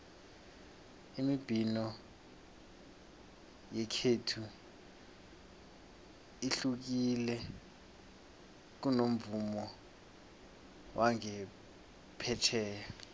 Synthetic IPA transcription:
imib̥ʱinɔ | jɛkʰetʰu | iɬuk̬ilɛ | k̬unom̩vumɔ | wʔaŋɛ | pʰɛt͡ʃʰɛːja

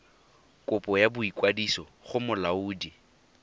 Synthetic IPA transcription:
kʼʊpʼɔjabʊikʼwadisɔχʊmʊlauːdi

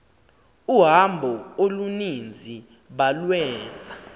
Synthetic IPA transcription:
uɦambʱɔolunind͡zʱi | ɓalwɛːnd͡zʱa

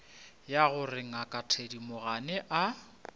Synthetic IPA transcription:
jaɣʊrɪŋ̩akʼatʰedimʊɣanɛʔa

